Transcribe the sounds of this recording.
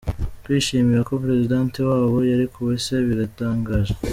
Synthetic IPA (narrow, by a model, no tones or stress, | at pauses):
twiːʃiːmiɾako̞pɾe̞zidaːntewaːβo̞jaɾikʰuβeseβiɾataːŋɡaːʒe